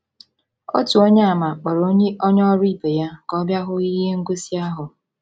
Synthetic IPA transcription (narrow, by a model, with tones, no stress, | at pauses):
o̰˦tu˨o˦ɲa˦a˦˨ma˨k͡pɔ˨ɾo˦ɲe˦ʔɔ˦ɲ˦ɔ˦ɾi˦˨be˨ja˦kɔ˦bja˦ɦʊ˦i˦ɦe˦ŋ̩˦ɡo˦si˦a˦ɦʊ˨